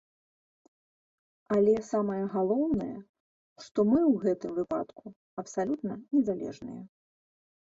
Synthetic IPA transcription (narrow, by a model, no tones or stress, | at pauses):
ɐlʲɛsamɐjɐɣalˠɔwnɐjɛ̰ | ʂt̪ɔmɨwɣɛt̪ɨmvɨpa̰t̪ku | ɐpsalʲut̪nɐnʲɛzalʲɛ̰ʐnɨ̰jɛ